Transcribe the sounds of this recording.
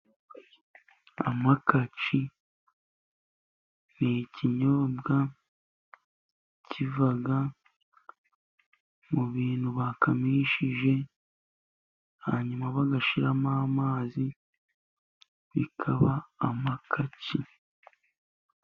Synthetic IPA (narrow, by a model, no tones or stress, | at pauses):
a̰makat͡ʃi | niciɲobɡa | cʰivaɡa | muβiːnhuβakamiʃiʒe̞ | a̰ɲumaβaɡaʃiɾamaːmaːzi | βḭkʰa̰βaːmakʰat͡ʃi